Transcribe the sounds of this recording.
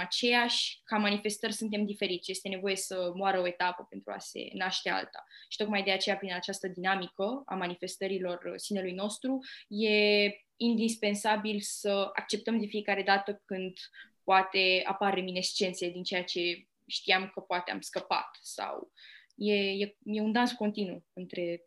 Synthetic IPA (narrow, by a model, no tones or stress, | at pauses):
at͡ʃe̞jaʃʲkamanife̞st̪ərʲsunt̪̬e̞md̪ife̞ɾit̪t͡ʃʲje̞st̪e̞ne̞vo̞je̞səmoaɾəoe̞t̪apəpe̞nt̪ɾua̰se̞̰naʃt̪e̞a̰lt̪a̰ʃit̪o̞kmajd̪eat͡ʃe̞japɾinat͡ʃast̪əd̪inamikəa̰manife̞st̪əɾilo̞rsine̞lujno̞st̪ɾuje̞ | ind̪ispe̞nsabilsəa̰k̚t͡ʃe̞p̚t̪əmd̪e̞fije̞kaɾe̞d̪at̪əkɨnd̪poat̪e̞a̰paɾeminest͡ʃe̞nt̪sied̪int͡ʃe̞jat͡ʃe̞ | ʃt̪iamkəpoat̪ea̰mskəpa̰t̪sa̰w | jejeje̞und̪ansko̞nt̪inuɨnt̪ɾe̞